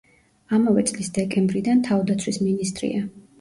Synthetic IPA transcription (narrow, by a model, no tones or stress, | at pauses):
amavɛt̪sʼlisd̪ɛkʼɛmbɾid̪ant̪ʰavd̪at̪sʰwisminist̪ʼɾḭa